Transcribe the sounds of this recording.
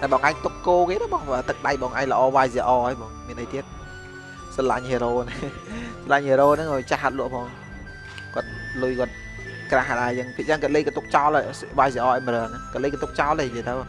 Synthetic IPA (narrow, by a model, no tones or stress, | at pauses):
ʔajɓɑːŋʔajŋt̪ukːoːkeːt̪əwɓɑːŋəːt̪ɨk̚ɗajɓɑːŋʔa̰jŋləʔɑːʋaːjsiʔɑːʔəjɓɔːŋmiənʔəjt̪iət̪̚ | səlaɲheːɾoːnɨŋ | səlaɲheːɾoːnɨŋkɔt͡ɕahat̪̚lŭəʔpʰɔː | kŏət̪̚lujkŏət̪̚ | kraːɦɗat͡ɕəŋpʰiəʔt͡ɕəŋkɔət̪̚ləjkat̪uk̚t͡ɕaɔləʋaːjseʔɑːʔəjməɾəənakɔət̪̚ləːjkat̪uk̚t͡ɕaɔleːjəət̪əw